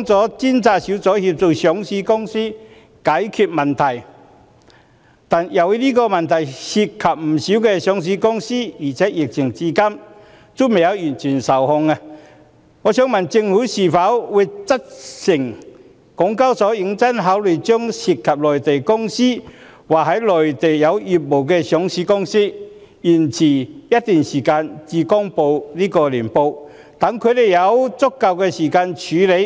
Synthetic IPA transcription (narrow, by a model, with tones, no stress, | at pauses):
ɔ˧˥ŋt͡sɔː˨˥t͡si˥nt͡saː˧˩si˨˥wt͡sɔː˨˦˥hi˧p̚t͡so˧wsɔ˨˥ŋsiː˧kʊ˥ŋsiː˥ | kaː˨˥jkʰy˨˩t̚mɐ˨nt̪ʰɐ˨˩j | t̪a˨nja˨˩wliː˥kɔː˧mɐ˨nt̪ʰɐ˨˩jsi˧t̚kʰɐ˨p̚m̩˨˩si˨˥wkɛ˧sjɔ˨˥ŋs̬i˧˥kʊ˥ŋsiː˥iː˨˩t͡sʰɛː˨˦˥jɪ˨k̚t͡ɕʰɪ˨˩ŋt͡si˧kɐ˥m | t͡su˧˥me˨˩jɐ˨˧wjyː˨˩nt͡ʃʰy˨˩nsɐ˨˩whʊ˧ŋa˧ | ŋɔː˨˧˦ɕjœ˧˥ŋmɐ˨˩nt͡sɪ˧ŋhuː˨˥si˨˩fa˨˥wwu˨˧t͡sɐ˥t̚sɪ˨˩ŋ | kʊ˨˥ŋka˥wsɔː˨˥i˨˥ŋt͡sɐ˥nɦaː˨˥wlø˨˩jt͡ɕɔ˥ŋsi˨˩t̚kʰɐ˨p̚lɔː˨˩jt̪e˨jkʊ˥ŋsiː˥ | waː˨˩ɦɐ˨˥jlɔː˨˩jt̪e˨˩jjɐ˨˧wi˨˩p̚mo˨˩wkɛː˧sjɔ˨˥ŋsiː˨˧˥kʊ˥ŋsi˥ | ji˨˩nt͡sʰiː˨˩jɐ˥t̚t̪yː˨˩nsiː˨˩kaː˧nt͡siː˧kɔ˥ŋpo˧wliː˥kɔː˧li˨˩npo˧w | t̪ɐ˨˥ŋkʰɵ˨˧t̪e˨jɐ˨˧wt͡sʊ˥kːɐ˨˧wkɛː˧siː˨˩kaː˧nt͡ɕʰyː˨˥le˨˧j